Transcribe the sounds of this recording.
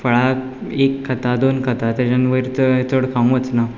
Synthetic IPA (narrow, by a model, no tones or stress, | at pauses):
fəɭa | ekʰːət̪ad̪onkʰət̪at̪ed͡ʑanʋəɾt̪əɦet͡s̪ʰoɽkʰãw̃ʋət͡sna